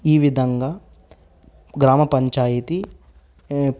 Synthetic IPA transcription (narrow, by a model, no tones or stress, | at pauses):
iːʋid̪ʱɐŋɡaː | ɡɾaːmɐpɐɲt͡ʃaːjit̪i